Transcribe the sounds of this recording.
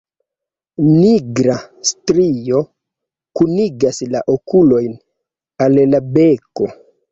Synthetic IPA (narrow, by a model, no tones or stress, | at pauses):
niɡɾastɾio̞ | kuniɡaslaʔokulo̞jn | allabe̞ko̞